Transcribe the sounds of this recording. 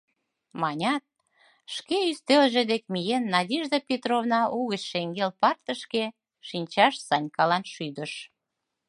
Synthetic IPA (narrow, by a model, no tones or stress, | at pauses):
mɑnʲɑt̪̚ | ʃkeyst̪elʒĕd̪ek̚mijenːɑd̪ʲiʒd̪əpʲet̪ɾovnɑʔuɣət͡ɕʃeŋɡelpɑrt̪ə̆ʃke | ʃinʲt͡ɕɑʃsɑnʲkɑlɑnʃyd̪ə̆ʃ